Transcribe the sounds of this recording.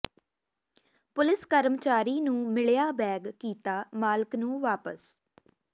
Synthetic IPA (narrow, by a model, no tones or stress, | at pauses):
pʊlɪskəɾmt͡ʃaːɾiːnũːmɪɭjaːbɛːɡkiːt̪aːmaːlɪknũːʋaːpə̰s